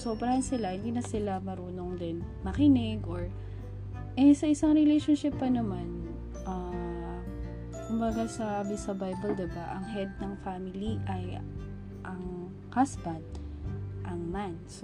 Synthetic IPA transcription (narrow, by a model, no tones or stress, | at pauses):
sobɾɐhɐnsɪlahɪnd̪inɐsɪlamɐɾuːno̞ŋd̪ɪn | mɐkɪnɪɡʔoɹ | ʔɛsɐʔɪsɐŋɾɛlejʃonʃɪpːɐnɐman | ʔa | kʊmbɐɡasɐbɪsɐbajbɐld̪ɪbaʔɐŋɦɛd̪̚nɐŋfamɪliʔɐj | ʔɐŋ | hasbɐd̪̚ | ʔɐŋmans